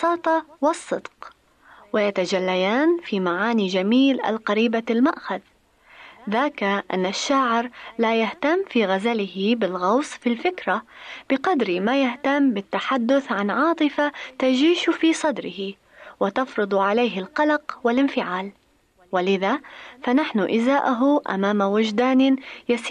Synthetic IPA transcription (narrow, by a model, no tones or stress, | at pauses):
sˤɑːt̪ˤɑwɪsˤːɨd̪q | wɪjat̪ad͡ʒalːajaːnfiːmaʕaːnid͡ʒamiːlʔa̰lqɑɾiːbalmaʔxað | ðaːkaʔa̰nːaʃːaʕɪɾlaːjaht̪amːfiːɣazalɪhɪbɪlɣɑwsˤfilfɪkɾab̥ɪqɑd̪ɾmaːjaht̪amːbɪt̪ːaħad̪ːʊθʕanʕɑːt̪ˤɨfat̪ad͡ʒiːʃfiːsˤɑd̪ɾɪhɪ | wɪt̪ɑfɾɨd̪ˤʕalajɦɪlqɑlɑqwɪlʔɪnfɪʕaːl | walɪðafanaħnʊʔɪzaːʔʊɦʊʔa̰maːmawʊd͡ʒd̪aːnɪjasː